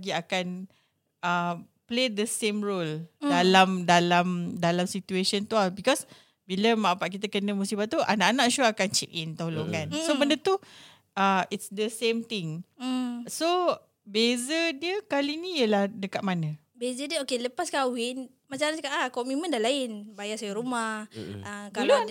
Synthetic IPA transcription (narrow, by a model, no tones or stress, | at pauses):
ɡiakan | ə | pled̪əsẽmɹoldalamdalamdalamsit̪ueʃənt̪uabikɔs | biləmãpaʔk̬it̪̬əkənə̃musibaʔt̪uʔa̰naʔanaʔʃuakant͡ʃɛ̰kint̪oloŋansobəndət̪u | əitsd̪əsẽmt̪ɪŋ | so | bezədiəkalinijəlahdəkat̪̚manə̃ | bezədiəokeləpaskawin | mat͡ʃanskaʔakɔmimə̃ndalaɪnbajasajəɾumahəɡkalu